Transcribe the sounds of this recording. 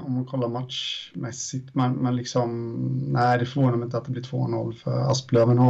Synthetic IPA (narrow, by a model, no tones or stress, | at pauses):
ɔmːankʰɔlːaɾmat̪ʃmɛsːɪt̪mɛnmɛnlɪksɔmnæɪd̪ɛfœɾvoːnamɪnt̪əat̪̚d̪ɛblɪʈ̪ʰvo̰ːnɔlːfœ̰ɾa̰spløːvənɔ